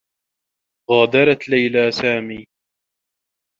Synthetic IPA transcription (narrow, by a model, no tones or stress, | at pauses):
ɣaːd̪ɑɾˤɑt̪lajlaːsaːmiː